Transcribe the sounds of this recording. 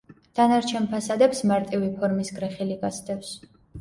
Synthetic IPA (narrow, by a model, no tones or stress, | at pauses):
d̪̥anaɾt͡ʃʰɛnpʰasad̪ɛpsmaɾt̪ʼivipʰɔɾmisɡɾɛχiliɡasd̪ɛfs